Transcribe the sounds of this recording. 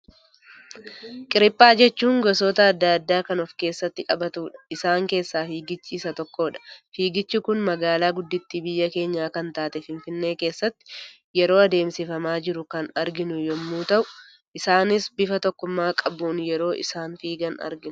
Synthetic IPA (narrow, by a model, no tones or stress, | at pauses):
kʼɪɾɪpʼːaːd͡ʒɛt͡ʃːuːŋɡɔs̬oːt̪ɐːd̪ːaːd̪ːaːkɐnɔfke̞ːsːɐt̪ːɪkʼɐbɐt̪uːᶑɐ̥ɪsaːŋke̞ːsːaːfiːɡɪt͡ʃːiːsɐt̪ɔkːo̞ːᶑɐ̥fiːɡɪt͡ʃːɪkʊnmɐɡaːlaːɡʊd̪ːɪt̪ːibɪjːɐke̞ːɲːaːkɐnt̪aːt̪ɛfɪnfɪnːe̞ːke̞ːsːɐt̪ːɪ̥ | jɛɾo̞ːɐd̪e̞ːmsɪfɐmaːd͡ʒɪɾʊkɐnɐɾɡɪnʊjɔmːuːt̪ɐʔʊ | ʔɪsaːnɪsbɪfɐt̪ɔkːʊmːaːkʼɐbuːnjɛɾo̞ːʔɪ̰saːnfiːɡɐnɐ̰ɾɡɪn